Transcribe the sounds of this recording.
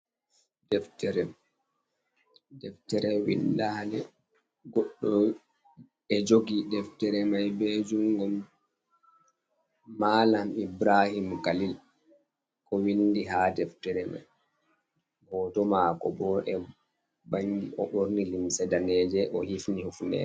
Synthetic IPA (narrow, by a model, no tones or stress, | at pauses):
dɛftɛɾɛ | dɛftɛɾɛwḭndahlɛ | ɡɔɗːɔ | ɛd͡ʒoɡidɛftɛɾɛmajbɛd͡ʒuŋɡɔm | maːlamibɾahimkalil | kɔwinːdiɦadɛftɛɾɛma̰j | hɔːtɔmakɔ̰bɔʔɛ | baɲdiʔɔɓoɾnilimsɛdanɛːd͡ʒɛʔɔhifnihufnɛ̰